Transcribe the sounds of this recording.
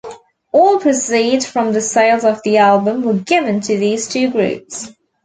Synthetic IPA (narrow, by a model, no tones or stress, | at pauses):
ɔːlˠpʰɹ̥əsiːdz̥fɹə̃mðəseɪlˠzəvðialˠbə̃mwəɡɪvə̃ntʰəðiːz̥tʰʉːɡɹʉ̰ˑps